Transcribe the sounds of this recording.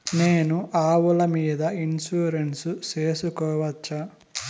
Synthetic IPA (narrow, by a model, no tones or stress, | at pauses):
neːnuʔaːwulɐmiːd̪ɐinsuːɾensut͡ʃe̞ːsukɔːʋɐt͡ʃːa